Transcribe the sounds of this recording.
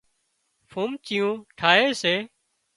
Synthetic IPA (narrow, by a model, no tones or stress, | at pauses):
fʰuːmt͡ʃiːjũːʈʰaːɦeːseː